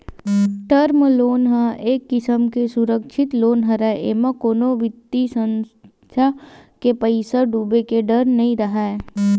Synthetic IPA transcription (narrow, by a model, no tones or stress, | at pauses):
ʈəɾmloːnɦãeːkːɪsəmkesʊɾəkʃʰɪt̪loːnɦɐɾaeʔeːmãkoːnoʋɪt̪ːisə̃ns | t̪ʰjakepəɪsəɖuːbekeɖəɾnɐɦĩɾəɦae